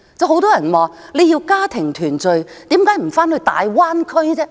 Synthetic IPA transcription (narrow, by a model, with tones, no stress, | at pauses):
t͡sɐ˨˧who˧˥wt̪ɔː˥jɐ˨˩nwaː˨˧le˨˧jiː˧wkaː˥t̪ʰɪ˨˩ŋt̪ʰyː˨˩nt͡sɵ˨˧ɥt̪iː˨˥mkaː˨˥jm̩˨˩faː˥nhɵ˧ɥt̪a̰ː˨˧jwaː˥nkʰɵ˥t͡sɛː˥